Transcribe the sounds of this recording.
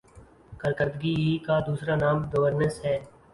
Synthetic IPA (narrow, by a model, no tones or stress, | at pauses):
kəɾkəɾd̪ɡiːiːkaːd̪uːsɾaːnaːmɡəʋəɾnəsɦɛː